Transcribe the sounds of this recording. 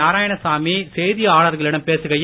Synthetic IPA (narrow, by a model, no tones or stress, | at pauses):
aːɾaːjɐɳɐsaːmisɛjðɪjɐaːɭɐɾɣɐɭɪɽɐmpeːsɯɣɐj